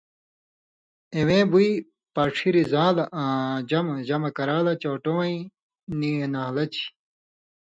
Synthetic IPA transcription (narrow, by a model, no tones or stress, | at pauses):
ewẽːbui | pɐʈ͡ʂʰiɾizãːlɐʔãːd͡ʑɐmɐd͡ʑɐmɐkɐɾaːlɐt͡ɕoːʈowɐ̃ĩ | nienaːlɐt͡ɕi̥